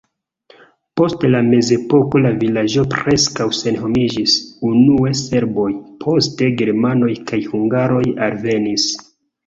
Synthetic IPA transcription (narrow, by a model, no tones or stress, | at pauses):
po̞stlame̞ze̞po̞ko̞lavilad͡ʒo̞pɾe̞skawse̞nɦo̞mid͡ʒisunuese̞ɾbo̞jpʰo̞ste̞ɡe̞ɾmano̞jkajhuŋɡaɾo̞jalve̞nis